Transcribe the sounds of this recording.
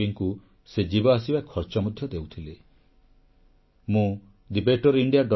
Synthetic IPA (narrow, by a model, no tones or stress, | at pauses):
iŋku | sed͡ʒibɔasibakʰɔɾt͡ʃɔmud̪ʱjɔd̪ewt̪ʰile | mũ | d̪ibeʈɔɾiɳɖijaɖɔ